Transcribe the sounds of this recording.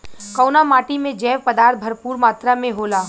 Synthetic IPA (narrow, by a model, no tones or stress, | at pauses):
kɐʊnamaːʈimẽd͡ʒɛːʋpəd̪aːɾt̪̚bʱɐɾpuːɾmaːt̪ɾamẽɦoːlaː